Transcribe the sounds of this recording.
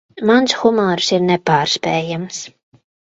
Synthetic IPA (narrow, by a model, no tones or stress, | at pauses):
mansxumaːɾsiɾnɛpaːɾspɛːjams